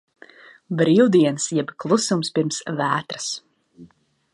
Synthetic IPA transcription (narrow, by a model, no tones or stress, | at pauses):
bɾiːwd̪iɛnsjɛbklˠusumspiɾmsvæːt̪ɾɨ̥s